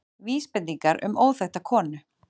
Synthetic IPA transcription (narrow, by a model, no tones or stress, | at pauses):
viːspɪnt̪iŋkaɾʔʏ̰moːwθɛxt̪akʰɔːnʏ